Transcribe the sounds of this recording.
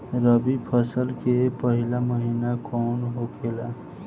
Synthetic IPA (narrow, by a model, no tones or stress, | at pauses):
ɾəbipʰʌsəlkepəɦilaməɦinakonɦoɡela